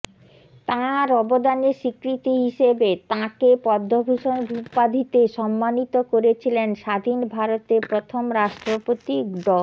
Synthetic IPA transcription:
t̪ãɾɔbod̪aneɾʃikɾit̪iɦiʃebet̪ãkepɔd̪ʱːobʱuʃonbʱupad̪ʱit̪eʃɔmːanit̪okoɾet͡ɕʰilenʃad̪ʱinbʱaɾot̪eɾpɾot̪ʰomɾaʃʈɾopot̪iɖɔl

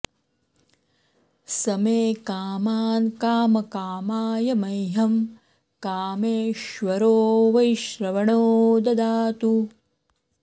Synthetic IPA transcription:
sɐmeːkaːmaːnkaːmɐkaːmaːjɐmɐjɦɐm | kaːmeːʃʋɐɾoːʋɐjʃɾɐʋɐɳoːd̪ɐd̪aːt̪u

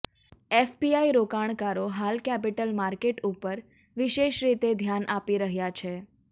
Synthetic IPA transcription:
efpiaiɾokaɳ̃kaɾoɦalkɛp̬iʈəlmaɾkeʈupəɾ | ʋiʃeʃɾit̪ed̪ʱjanʔapiɾəɦjat͡ʃʰe

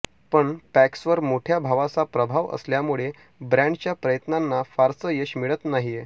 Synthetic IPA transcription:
pəɳpæksʋəɾmoʈʰjabʱaʋat͡sapɾəbʱaʋə̰sljamuɭe | bɾãɳɖt͡ɕjapɾəjət̪nanːafaɾsəjeɕmiɭət̪naɦije

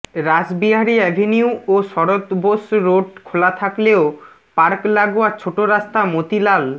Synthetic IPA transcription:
ɾad͡ʑbiɦaɾiɛbʱeniuoʃɔɾot̪bosɾoɖkʰolat̪ʰakleo | paɾklaɡoat͡ɕʰoʈoɾast̪amot̪ilal

